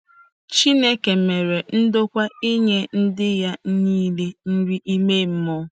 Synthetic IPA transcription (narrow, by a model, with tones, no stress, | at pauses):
t͡ʃi˦ne˦ke˨me˨ɾe˨n̩˦do˦kʷa˦i˦ɲe˦n̩˦dɪ˦ja˦niː˦le˦n̩˦ɾi˦ʔi˦me˦m̩˦mɔ˦